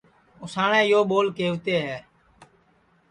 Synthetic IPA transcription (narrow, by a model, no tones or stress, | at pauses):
ʊsaːɳẽːɪjoːɓoːlkeːʊt̪eːɦɛː